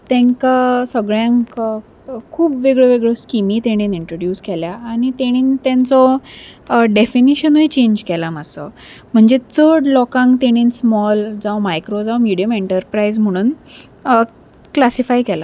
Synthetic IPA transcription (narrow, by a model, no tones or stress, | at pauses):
t̪ɛ̃ŋkasəɡɭjãŋk | kʰuːbʋeɡɭəʋeɡɭəskimiːt̪eɽ̃iniɳʈɾoɽjuːskɛljaːɽ̃it̪eɽ̃iːnt̪ɛ̃nt͡sɔ | ɖefiniɕənuit͡ɕeɲd͡ʑkɛlaməsɔ̰ | m̤əɳd͡zet͡səɽlɔkãŋkt̪eɽ̃iːnsmɔld͡zawmajkɾod͡zawmiɽijəmeɳʈəɾpɾaizm̤əɽ̃uːn | klasifajkɛla